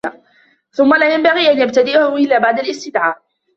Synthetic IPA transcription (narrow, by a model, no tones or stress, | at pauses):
a | θʊmːalaːjambaɣiːʔanjab̚t̪ad̪ɪʔahʊʔɪlːaːbaʕd̪alɪst̪ɪd̪ʕaːʔ